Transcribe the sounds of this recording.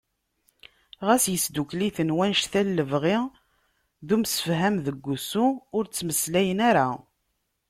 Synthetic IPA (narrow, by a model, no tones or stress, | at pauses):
ʁæsjəsd̪ukliθənwænʃθælːəvʁɪ | ðumsə̥fɦæmðəɡʷːusuʊɾt͡sːməslæjənæɾa